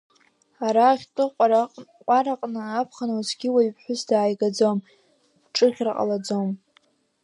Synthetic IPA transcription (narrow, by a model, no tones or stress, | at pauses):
aɾaːχʲtʼɨqʷʼaɾaqʼqʷʼaɾaqʼnɨapʰχanuzʰɡʲɪwaɥpʰħʷʊsdaːjɡad͡zom | ʈ͡ʂʼɨχʲrqʼa̰lad͡zom